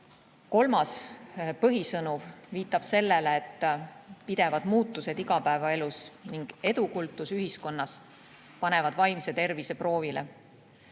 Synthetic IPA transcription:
ko̞lmɑspɤɦisɤnuvviːt̪ːˑɑb̥se̞lːeleːt̪ːpid̪e̞vɑd̪̥muːt̪ːˑuse̞d̪iɡɑpæevɑe̞lusniŋɡ̥e̞d̪ukult̪ːˑusyɦisko̞nːɑs | pɑne̞vɑd̪̥vɑjmse̞t̪e̞rvise̞pro̞ːvile̞̰

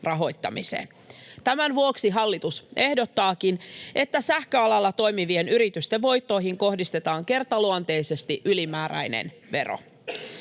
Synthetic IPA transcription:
rɑɦo̞jt̪ːɑmḭsḛːn | t̪æmænʋuoksiɦɑlːit̪usʔe̞hdo̞t̪ːɑːkinʔe̞t̪ːæsæhkøɑlɑlːɑt̪o̞jmiʋienyɾit̪yst̪eʋʋo̞jt̪ːo̞iɦiŋko̞hdist̪e̞t̪ɑːŋke̞rt̪ɑluɑnt̪e̞ise̞st̪iʔylimæːɾæ̰jnḛn | ʋe̞̰ro̰

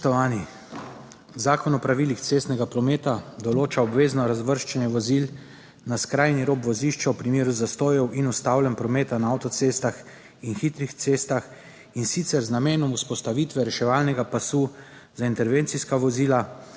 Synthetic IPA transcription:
t̪ɔʋaːni | zaːkɔnɔpɾaʋiːlixt̪seːst̪nɛɡapɾɔmeːt̪ad̪ɔloːt͡ʃaɔbʋeːznɔɾazʋəɾʃt͡ʃɛnjɛʋɔziːl | naskɾaːjniɾoːbʋɔziʃt͡ʃawpɾimeːɾuzast̪oːjɛwʔinust̪awlɛmpɾɔmeːt̪anaawt̪ɔt̪seːst̪ax | inxit̪ɾixt̪seːst̪ax | insit̪sɛɾznameːnɔmuspɔst̪aʋit̪ʋɛɾɛʃɛʋaːlnɛɡapasu | zaint̪ɛɾʋeːnt̪siskaʋɔziːla

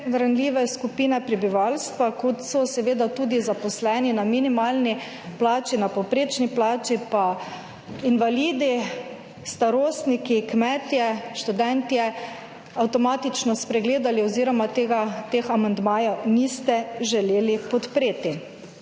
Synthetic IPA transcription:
ɾanliːʋɛskupiːnɛpɾɛbiʋalst̪ʋakɔt̪sɔsɛʋeːd̪at̪uːd̪izapɔslɛːninaminimaːlni | plaːt͡ʃinapɔpɾeːt͡ʃniplaːt͡ʃipa | inʋaliːd̪i | st̪aɾoːst̪nikikmɛt̪jɛʃt̪ud̪ɛnt̪iɛ | awt̪ɔmaːt̪it͡ʃnɔspɾɛɡleːd̪aliɔziːɾɔmat̪eːɡat̪examand̪maːjanist̪ɛʒɛleːlipɔt̪pɾeːt̪i

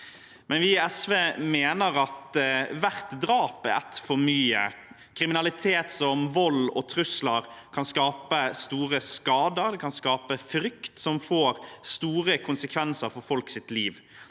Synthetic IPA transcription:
mʔɛnʋɪɛsʋeːmeːnəɾɑt̪ʋæʁt̪d̪ɾɑːpæɾæ̰t̪fɔɾmyːə̰ | kʰɾɪmɪnɑlɪt̪ʰeːt̪sɔmʋɔlɔ̰t̪ʰɾʉsləɾkʰɑnskɑːpəst̪uːɾəskɑːd̪əɾd̪ɛkʰɑnskɑːpəfɾʏkt̪sɔmfoːɾst̪uːɾəkʰʊnsəkʰʋɛnsəɾfɔɾfɔlksɪt̪liːʋ

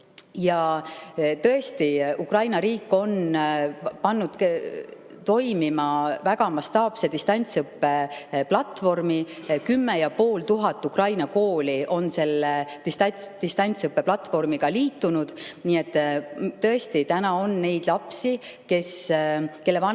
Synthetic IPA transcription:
jɑ | t̪ɤe̞st̪iukrɑjnɑɾiːkːˑo̞n | pɑnːud̪̥ | t̪o̞jmimɑvæɡ̥ɑmɑst̪ɑːb̥se̞d̪ist̪ɑnʲt̪sɯpːe̞plɑt̪vo̞rmikymːejɑpo̞ːlt̪uɦɑt̪ːˑukrɑjnɑko̞ːliʔo̞nse̞lːet̪ist̪ɑt̪ist̪ɑnʲt̪sɯpːe̞plɑt̪ːvo̞rmiɡ̥ɑliːt̪ːˑunud̪̥niːe̞t̪ːt̪ːɤ̞e̞st̪it̪ænɑo̞nːe̞jd̪̥lɑpsi | ke̞ske̞lːevɑn

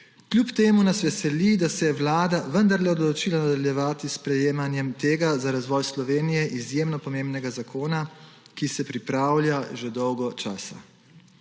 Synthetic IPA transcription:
klʲjupt̪eːmunasʋɛsɛlid̪asɛjɛwlaːd̪aʋənd̪aɾlɛɔd̪lɔt͡ʃilanad̪aljɛʋaːt̪ispɾɛjeːmanjɛmt̪eːɡazaɾazʋɔːjslɔʋeːnijɛʔizjeːmnɔpɔmeːmbnɛɡazakʰoːnakisɛpɾipɾaːwlʲjaʒɛd̪ɔwɡɔt͡ʃa̰ːsa

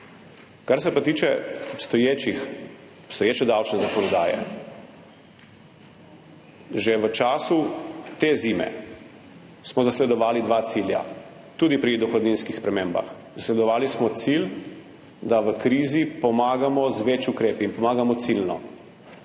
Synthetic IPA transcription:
kaɾsɛpat̪iːt͡ʃɛɔpst̪ɔjeːt͡ʃix | ɔpst̪ɔjeːt͡ʃɛd̪awt͡ʃnɛzakɔnɔd̪aːjɛ̰ | ʒeʋət͡ʃaːsut̪ezimɛ̰ | smɔzaslɛd̪ɔʋaːlid̪ʋat̪silja̰ | t̪uːd̪ipɾid̪ɔxɔd̪ninskixspɾɛmeːmba̰x | zaslɛd̪ɔʋaːlismɔt̪sil | d̪aʋəkɾiːzipɔmaːɡamɔzʋet͡ʃukɾeːpiːnpɔmaːɡamɔt̪silnɔ̰

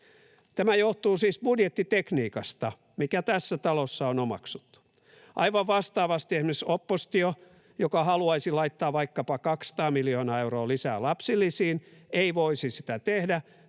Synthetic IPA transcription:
t̪æmæjoht̪uːsiːsb̥udjet̪ːit̪ekniːkɑst̪ɑ | mikæt̪æsːæt̪ɑlosːɑonomɑ̰ksu̥t̪ːu̥ | ʔɑ̰iʋɑʋʋɑst̪ɑːʋɑst̪iesmesopːost̪io | jokɑhɑluɑisilɑit̪ːɑːʋʋɑikːɑpɑkɑksɑ̥t̪ɑːmiljoːnɑːewɾoːlisæ̰ːlɑpsilːisiːneiʋoisisit̪æt̪ehdæ

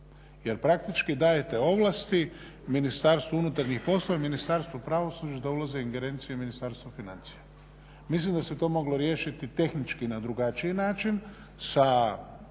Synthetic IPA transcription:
je̞ɾpɾak̚t̪it͡ʃkid̪ajet̪e̞o̞ʋlˠast̪i | minist̪aɾst̪ʋounut̪aɾɲixpo̞slˠo̞ʋaminist̪aɾst̪vʋopɾaːʋo̞sud͡ʒad̪aulazeiŋɡe̞ɾe̞ːnt̪sijeminist̪aːɾst̪ʋofinant̪sija | mislimd̪aset̪o̞ːmo̞ɡlo̞ɾje̞ːʃit̪it̪e̞xnit͡ʃkinad̪ɾuɡat͡ʃiinaːt͡ʃin | sa

